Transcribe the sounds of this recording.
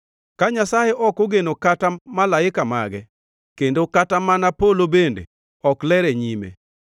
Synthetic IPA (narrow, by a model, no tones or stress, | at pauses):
kaɲasajeʔɔkoɡenokatamalaɪkama̰ɡɛ | kendokatamanapolobendḛ | ɔklɛɾeɲimḛ